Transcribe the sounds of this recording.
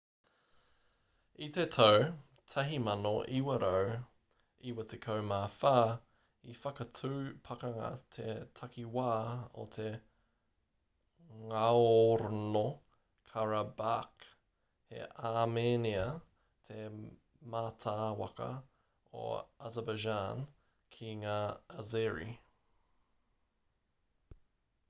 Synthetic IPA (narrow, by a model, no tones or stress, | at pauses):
it̪etʰɐw | tʰɐɦimɐnoʔiwɐɾʔow | iwɐtʰekʰɐwmaːfaː | ifɐkɐtʰʉːpʰɐkɐŋɐ̰tʰetʰɐkiwaːo̰t̪ʰe | ŋaoɾono | kʰaɾɐbak | hḛʔaːmeːniɐ | t̪ʰe | maːtʰaːwɐ̰kɐ̰ | o̰azəbad͡ʒaːn | kʰiŋaːɐzeɹḭ